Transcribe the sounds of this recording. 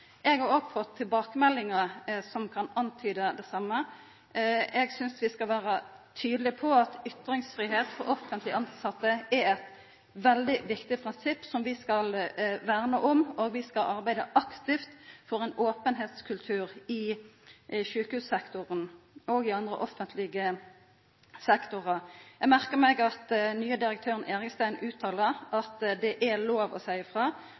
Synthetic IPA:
ʔɛɡhɑʁɔɡfɔt̪ʰːɪlbɑːkəmɛlːɪŋəsɔmkʰɑnɑnt̪ʰyːd̪əd̪ɛsɑmːə | ɛɡsʏnsʋɪskɑlʋæːʁət̪ʰyːd̪əlɪpʰɔɑt̪ʏt̪ɾɪŋsfɾiːɦeːt̪fɔ̰ʁɔfənt̪lɪɑnsɑt̪ːəɛɛt̪ | ʋɛld̪ɪʋɪkt̪ɪpʰʁɪnsɪpːsɔmʋɪskɑlʋæːʁnəʔɔmoːɡʋɪskɑlʔɑʁbæɪd̪əʔɑkt̪ɪft̪fɔʁɛnoːpənɦeːt̪skʰʉlt̪ʰʉːʁɪ | ʃʉːkəhʉːssɛkt̪ʊʁənoɡɪɑnd̪ʁə̰ʔɔfənt̪ʰlɪɡə | sɛkt̪ʊʁəjæmæʁkəmɛɡɑt̪nyːəd̪ɪɾək̚t̪ʰøːʁəneːʁɪkst̪æɪnʉːt̪ʰːɑːləʁɑt̪d̪ɛʔæloːʋɔ̰sæɪəfʁɑː

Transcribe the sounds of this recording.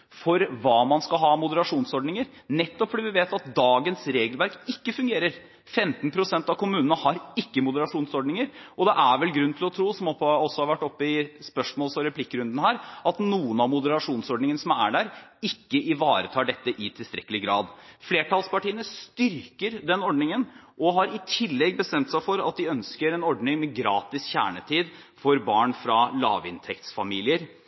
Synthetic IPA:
fɔɾʋɑːmɑnskɑlɦɑːmʊd̪əɾɑʂuːnsɔɖnɪŋəɾ | nɛt̪ːɔpfɔɖɛːʋɪʋeːt̪ɑt̪̚d̪ɑːɡənsɾeːɡəlʋæɾkɪkːəfʉŋɡeːɾəɾ | fɛmt̪npʰɾʊsɛnt̪ɑʋkʰʊmʉːnənəhɑɾɪkːəmʊd̪əɾɑʂuːnsɔɖnɪŋəɾʔɔd̪ɛʔæɾʋɛlɡɾʉn̩t̪ʰɪlɔt̪ʰɾuːsɔmɔɔsːɔhɑɾʋæʈːɔpːəɪspœʂmoːlsɔɾɛpʰlɪkːɾʉnd̪ənəhæːɾɑt̪nuːənɑʋmʊd̪əɾɑʂuːnsɔɖɳɪŋənəsɔmæɖæːɾɪkːəʔɪʋɑːɾət̪ʰɑːɖɛt̪ːəʔɪt̪ʰɪlst̪ɾɛkːəlɪɡɾɑ̰ːd̪fleːʈʰɑlspɑʈiːənəst̪ʏɾkəɾd̪ɛnɔɖnɪŋənʔɔɦɑɾɪt̪ʰɪlːɛɡːbəst̪ɛmt̪sæɪfɔɾɑ̰t̪̚d̪ɪœnskəɾɛnɔɖnɪŋmɛɡɾɑːt̪ɪsçæ̰ːɳət̪ʰiːd̪ | fɔɾbɑːɳfɾɑlɑ̰ːʋɪ̰nt̪ʰɛkt̪sfɑmiːlɪəɾ

